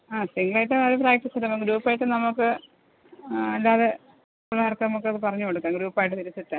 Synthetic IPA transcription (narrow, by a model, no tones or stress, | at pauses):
aːsiŋɡɭaːjiʈːɨɐɾupraːk̚ʈisɐɨnɐmukːɨɾuːpːaːjiʈːɨnɐmukːɨ | ɐlːaːðe | uɭːɐʋɐrkːɐnɐmukːɨɐðɨpɐrɐɲːukoɽukːaːŋɡɾuːpːaːjiʈːɨt̪iɾut͡ɕːiʈːɨ